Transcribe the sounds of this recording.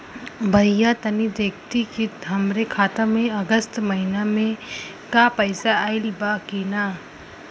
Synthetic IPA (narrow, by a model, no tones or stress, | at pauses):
bʱɐɪjat̪ɐnid̪eːkt̪ikit̪ɦɐmɾekʰaːt̪amẽɐɡəst̪mɐɦɪnamẽ | kapɐɪsaaɪlbakiːnaː